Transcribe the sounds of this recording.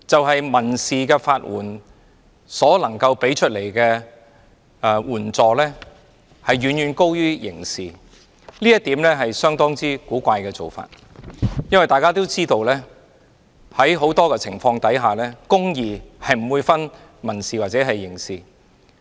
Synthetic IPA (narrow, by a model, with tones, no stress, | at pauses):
t͡sɐ˨wɦɐ˨jmɐ˨˩nsiː˨kɛː˧faː˧t̚wṵː˨˩n | sɔː˨˥lɐ˨˩ŋkɐ˧wpe˨˥jt͡ʃʰɵ˥t̚le˨˩jkɛː˧ | wuː˨˩nt͡sɔː˨˩lɛː˥ | hɐ˨jɥyː˨˩nɥyː˨˧nko˥wjyː˥jɪ̰˨˩ŋsiː˨ | liː˥jɐ˥t̪̚iː˨˥mlɛː˥ɦɐ˨jsœː˥ŋt̪ɔː˥ŋt͡siː˥kuː˨˥kʷaː˧jkɛː˧t͡so˨˩wfa̰ː˧t̚ | jɐ˥nwɐ˨˩jt̪aː˨jkaː˥t̪o˥wt͡siː˥t̪o˧wlɛː˥ | hɐ˨˥jɦo˨˥wt̪ɔː˥kɛː˧t͡sʰɪ˨˩ŋfɔː˧ŋt̪ɐ˨˥jɦaː˨˩lɛː˥kʊ˥ŋjiː˨hɐ˨jm̩˨˩wuː˨˧jfɐ˥n | mɐ˨˩nsiː˨waː˨t̚t͡sɛː˨˥ɦɐ˨jːɪ˨˩ŋsiː˨˩